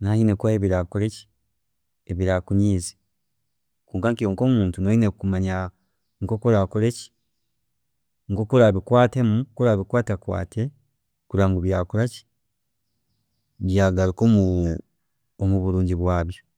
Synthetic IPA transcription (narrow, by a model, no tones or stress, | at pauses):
nahinekwaeβiɾakuɾeci̥ | eβiɾakuɲiːzi | kuːŋkaŋkijoŋko̞ːmuːntunohinekumaɲa | ŋkokuɾakuɾeci̥ | ŋkokuɾaβikwaːte̞mukuɾaβikwaːtakwa̰ːte | kuɾaːŋɡuβjaːkuɾaci̥ | βjaɡalikomu | omuβuɾuːɲɟiβwaːβjo